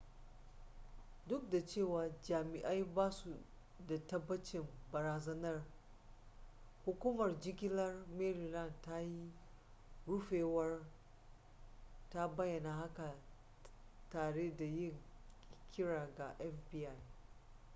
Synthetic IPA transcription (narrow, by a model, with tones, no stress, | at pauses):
dʊ˦k̚da˨t͡ʃeː˦˨waː˨d͡ʒaː˨mɪ˨ʔa˦jbaː˦su˨ | da˨tɐ˦bːɐ˦t͡ʃɪ˨mbɐ˨ɾaː˨zɐ˦nɐ˦r | hʊ˦kʷuː˦mɐ˨rd͡ʒɪ˦ɡʲɪ˦lɐ˦rmeː˦ɾi˨lɐ˦˨nta˦ji˦ | ɽʊ˦ɸeː˨wɐ˦r | ta˦bɐ˦jːɐ˨na˨ha˦ka˨ | taː˨ɽeː˦da˨jɪ˦˨ŋ | kʲʰɪ˦ɽaː˨ɡa˨ʔɛ˦fbiː˦ʔa˨j